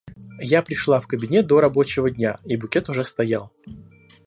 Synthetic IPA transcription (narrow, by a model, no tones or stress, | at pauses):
japɾʲɪʂlˠafkəbʲɪnʲe̞t̪̚d̪o̞ɾɐbo̞t͡ɕɪvədʲnʲaibʊkʲe̞t̪ʊʐɛst̪ɐjalˠ